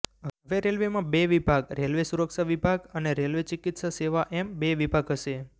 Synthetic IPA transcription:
ɦəʋeɾelʋemãbeʋibʱaɡɾelʋesuɾəkʃaʋibʱaɡəneɾelʋet͡ʃɪkit̪ʃaseʋaʔembeʋibʱaɡɦəʃe

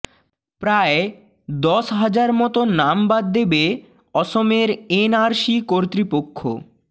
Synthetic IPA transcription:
pɾae | d̪ɔʃɦad͡ʑaɾmɔt̪onambad̪d̪ebe | ɔʃomeɾenaɾʃikoɾt̪ɾipokʰːo̰

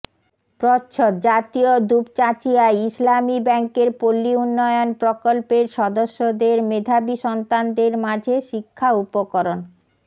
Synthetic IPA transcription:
pɾɔtːɕʰot̪d͡ʑat̪iod̪upt͡ɕat͡ɕiaeislamibɛŋkeɾpolːiunːɔjonpɾokolpeɾʃɔd̪oʃːod̪eɾmed̪ʱabiʃɔnt̪and̪eɾmad͡ʑʱeʃikʰːaupokoɾon

